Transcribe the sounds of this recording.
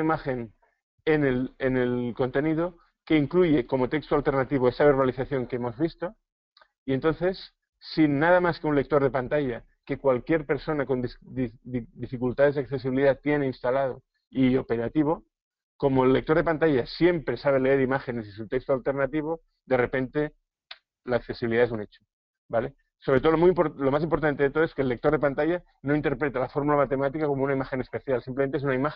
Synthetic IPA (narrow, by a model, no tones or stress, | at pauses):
imaxe̞n | enelene̞lko̞nt̪e̞niðo̞ | ke̞iŋkluʝe̞ko̞mo̞t̪e̞kst̪oalt̪e̞ɾnat̪iβoe̞saβ̞e̞ɾβaliθaθjo̞ŋkeemo̞zβist̪o̞ | ient̪o̞nθe̞sː | inːað̞amaske̞unle̞k̚t̪o̞ɾðe̞pant̪aʝa | ke̞kwalkje̞ɾpe̞ɾso̞nako̞nd̪ | d̪ifikult̪að̞e̞zðeak̚θe̞s̬iβiliðat̪je̞ne̞inst̪alað̞o̞ | io̞pe̞ɾat̪iβ̞o̞ | ko̞mo̞elːe̞k̚t̪o̞ɾð̞e̞pant̪aʝasje̞mpɾe̞saβ̞e̞le̞eɾimaxe̞ne̞sisut̪e̞kst̪oalt̪e̞ɾnat̪iβ̞o̞ | d̪e̞re̞pe̞nt̪e̞ | laːk̚θe̞siβiliðaes̬une̞t͡ʃo | bale̞ | so̞βɾet̪o̞oomuimpolomas̬impoɾt̪ant̪ee̞t̪o̞ð̞oeskelːe̞k̚t̪o̞ɾðe̞pant̪aʝa | no̞int̪e̞ɾpɾe̞t̪alafo̞ɾmulamat̪e̞mat̪ikako̞mounaimaxe̞ne̞spe̞θjalsimplement̪es̬unaima